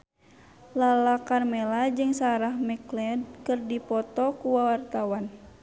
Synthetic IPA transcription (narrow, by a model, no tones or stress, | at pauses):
lalakarmɛlad͡ʒɨŋsaɾahmɛklɛdkɨrdipɔt̪ɔkuwawart̪awan